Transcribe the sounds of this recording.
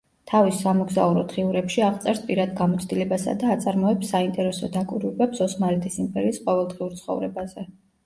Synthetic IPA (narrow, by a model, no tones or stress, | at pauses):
t̪ʰavisːamɔɡza̰uɾɔt̪ʰχiuɾɛpʃiaʁt̪sʼɛɾspʼiɾad̪ɡamɔt̪sʰd̪ilɛbasa̰d̪aːt̪sʼaɾmɔɛpsaint̪ʼɛɾɛsɔd̪akʼwiɾubɛbsɔsmaɾɛt̪ʰʼisimpʼɛɾiːsqʼɔvɛlˠd̪ʁiuɾt̪sʰχɔ̰vɾɛbazɛ